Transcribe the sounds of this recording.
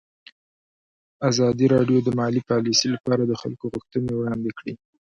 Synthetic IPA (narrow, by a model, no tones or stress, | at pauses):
azɑd̪iɾɑɖjod̪əmɑlipɑlisilapɑɾad̪əxa̰lkoɣʊxt̪ənewɽɑnd̪ekɽi